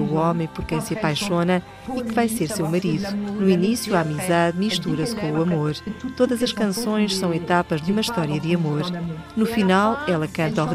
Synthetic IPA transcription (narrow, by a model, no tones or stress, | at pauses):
uɔmɐ̃j̃pɔɾkɐ̃j̃sɐpajʃonɐ | ikɨvajseɾsewmɐɾiðunuinisjuaamizaðmiʃt̪uɾɐskõuɐmoɾt̪oðɐzɐʃkɐ̃sõj̃ʃsɐ̃w̃et̪apɐʒd̪umɐʃt̪ɔɾiɐðɨɐmoɾnufinalˠɛlˠɐkɐ̃ɾt̪ɔv